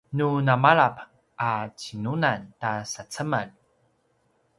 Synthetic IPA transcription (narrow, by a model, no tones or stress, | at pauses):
nunamaɭap | ʔat͡ɕinunantasat͡səman